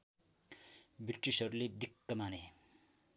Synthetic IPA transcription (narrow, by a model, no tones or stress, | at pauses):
biʈrisʌɾuled̪ikːʌmane